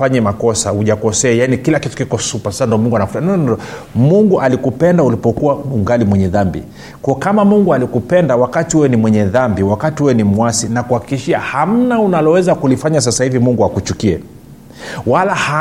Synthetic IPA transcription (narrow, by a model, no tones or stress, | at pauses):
aɲɛmakɔsauʄakɔsɛajanikilakitu̥kikɔsupasḁsandiɔmuŋɡuanakufanɔ | muŋɡuʔalikupɛndaulipɔkuauŋɡalimwɛɲɛðambḭ | kɔɔkamamuŋɡualikupɛndawakatiɛɛnimwɛɲɛðambiwakatiɛwɛnimuasinakuhakikiʃiaham̩naunalɔwɛzakulifaɲas̬asahivimuŋɡuhakut͡ʃukiɛ | walaha